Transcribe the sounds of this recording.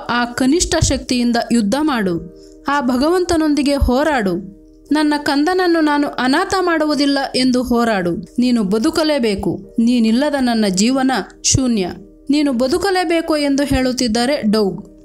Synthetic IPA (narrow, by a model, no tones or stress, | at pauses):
aːkɐniʂʈʰɐʃɐk̚t̪ijind̪ɐjud̪ʱːɐmaːɽu | aːbʱɐɡɐʋɐnt̪ɐno̞nd̪iɡe̞hɔːɾaːɽu | nɐnːɐkɐnd̪ɐnɐnːunaːnuʔɐnaːt̪ɐmaːɽuʋud̪ilːɐʔe̞nd̪uɦɔːɾaːɽuniːnubɐd̪ukɐleːbeːkṵniːnilːɐd̪ɐnɐnːɐd͡ʒiːʋɐnɐʃunjɐ | niːnubɐd̪ukɐle̞ːbe̞ːkue̞nd̪uɦe̞ːɭut̪ːid̪ːaːɾe̞ɖɐwɡ